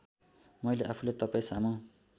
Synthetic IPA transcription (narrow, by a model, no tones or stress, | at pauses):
mʌjleʔapʰulat̪ʌpaĩsamaw̃